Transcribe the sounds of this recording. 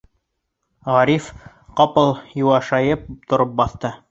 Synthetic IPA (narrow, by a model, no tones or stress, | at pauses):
ʁɑɾif | qɑpɤlˠjuwɑʃɑjɤp̚t̪ŏɾɤp̚bɑθt̪ɤ